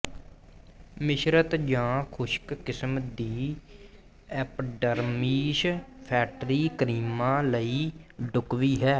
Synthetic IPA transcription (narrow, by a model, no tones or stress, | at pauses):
mɪʃɾət̪d͡ʒãːkʰʊʃkkɪsmd̪iː | ɛːpɖəɾmiːʃpʰɛːʈɾiːkɾiːmãːləiːɖʊkʋiːɦɛː